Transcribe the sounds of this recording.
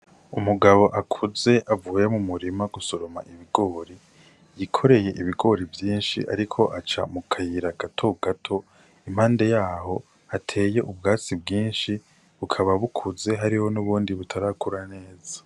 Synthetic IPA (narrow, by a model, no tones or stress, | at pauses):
umuɡaβo̞ʔakʰuze̞ʔavuːjemumuɾimaɡusoɾoma̰ʔiβiɡo̞ːɾi | jikʰo̞ɾe̞je̞ʔiβiɡo̞ɾivjiːnʃḭʔa̰ɾikʰo̞ʔat͡ʃa̰mukʰajiɾaɡatʰo̞ɡatʰo̞ | im̥haːnde̞jaːɦo̞ | atʰe̞ːje̞ʔubɡaːt͡sibɡiːnʃi | βukʰaβaβukʰuze̞ɦaɾiho̞nuβuːndiβutʰaɾaːkuɾane̞ːza